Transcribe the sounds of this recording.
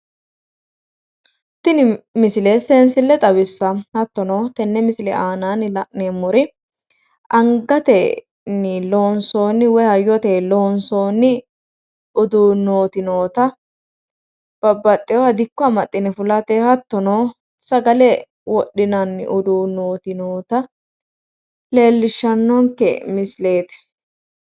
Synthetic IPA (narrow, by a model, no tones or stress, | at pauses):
t̪ɪnɪmɪsɪleseːnsɪlːɛt̪ʼɐwɪsːɐhɐt̪ːɔnoːt̪ɛnːɛmɪsɪlɛ̰ʔaːnaːnɪlɐʔneːmːɔɾɪ | ʔɐŋɡɐt̪ɛ | nɪlonsoːnːɪwɔhɐjɔt̪eːloːnso̞ːnːɪ | ʊd̪uːnoːt̪ɪnoːt̪ɐ | b̥ɐbːɐt̪ʼːɪjɔɐd̪ɪkːɔɐmɐt̪ʼːɪnɛfʊlɐt̪ɛhɐt̪ːɔnoː | sɐɡɐlɛ | wɔɗːɪnɐnːɪ̰ʔʊd̪uːnoːt̪ɪnoːt̪ɐ | le̞ːlːɪʃːɐnːɔŋkɛ̰mɪsle̞ːt̪ɛ̥